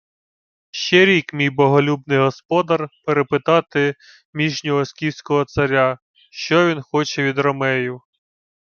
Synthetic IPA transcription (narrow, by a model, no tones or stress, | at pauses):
ʃt͡ʃɛɾʲikmʲijbɔɦɔlʲubnɪjɦɔspɔd̪ɐrpeɾepɪt̪ɑt̪ɪ | mʲiʒnʲɔɦɔsʲkʲiwsʲkɔɦɔt̪sɐɾʲa | ʃt͡ʃɔʋʲinxɔt͡ʃɛʋʲid̪rɔmɛjʊ